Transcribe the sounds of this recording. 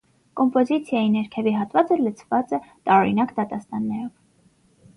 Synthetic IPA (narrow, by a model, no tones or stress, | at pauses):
kɔmpɔzit͡sʰjɑjinɛɾkʰɛviɦɑt̪vɑt͡sələt͡sʰvɑt͡sɛt̪ɑɾɔɾḭnɑkd̪ɑt̪ɑst̪ɑnːɛɾɔv